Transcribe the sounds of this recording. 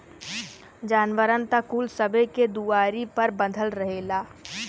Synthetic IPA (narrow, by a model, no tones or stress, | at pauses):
d͡ʒaːnʋəɾənt̪akuːlsəbeked̪uaːɾipɐɾbə̃nd̪ʱəlɾəɦelaː